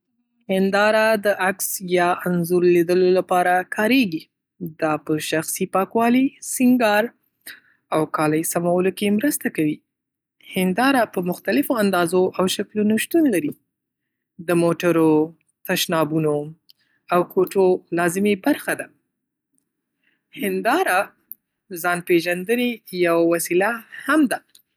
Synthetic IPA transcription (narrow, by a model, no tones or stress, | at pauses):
hɪnd̪ɑɾad̪əʔaksjɑʔanzuɾlid̪əlolapɑɾakʰɑɾeɡi | d̪ɑpəʃaxsipɑkwɑlisɪŋɡɑɾ | awkɑləjsamawəlokemɾəst̪akawi | hɪnd̪ɑɾapəmʊxt̪alɪfoand̪ɑzoʔawʃaklunoʃt̪unlaɾi | d̪əmoʈaɾo | t̪aʃnɑbuno | awkʰoʈolɑzɪmebaɾxad̪a | hɪnd̪ɑɾa | zɑnpeʒand̪ənejawawasilahamd̪a